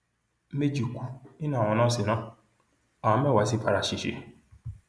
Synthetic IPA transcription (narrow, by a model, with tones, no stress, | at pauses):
me˦d͡ʒi˨ku˧˦ĩ˦nũ˦a˨wɔ̃˧nãː˦si˨nãː˦ | a˨ã˧˦m˦ɛ̃˦˨wa˨˦si˧ka˧ɾa˨ʃi˨ʃḛ˨˦